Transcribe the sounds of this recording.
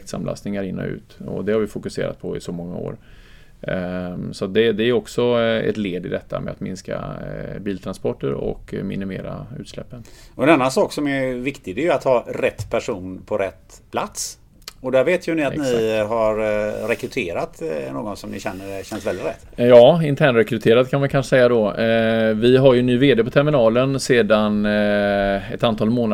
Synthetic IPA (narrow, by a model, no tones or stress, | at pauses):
k̚t̪sa̰mla̰st̪nɪŋaɾɪnːɔ̰ʉ̟̰ːt̪ɔ̰d̪ɛhaɾvɪfʊkɵsḛːɾa̰t̪̚pʰɔɪsɔmɔŋːao̰ːɾ | sɔat̪̚d̪ɛd̪ɛæɾɔksɔɛ̰t̪leːd̪ɪd̪ɛt̪ʰːamɛat̪mɪnskabiːlt̪ʰɾanspɔʈːəɾɔ̰kmɪnɪmeːɾaʉ̟ːt̪slɛpːənɔɛnanːansɑːksɔmævɪkt̪ɪɡd̪ɛjat̪hɑːɾɛt̪ːpʰæʂuːnpʰɔɾɛt̪ːpʰlat̪s | ɔd̪æɾveːt̪ʰjɵnɪat̪nɪɦaɾɾɛkɾɵt̪ʰeːɾat̪no̰ːɡɔnsɔmnɪɕɛnːəɖɛɕɛnsvɛlɪt̪ɾɛ̰t̪ːjɑːɪnt̪ʰæːɳɾɛkɾɵt̪ʰeːɾad̪kʰanmankʰanʂsɛjːad̪ɔ | vɪɦaɾjɵɛnːyːveːd̪eːpɔt̪ʰɛɾmɪnɑːlənseːd̪an | ɛt̪ant̪ʰɑːlmoːna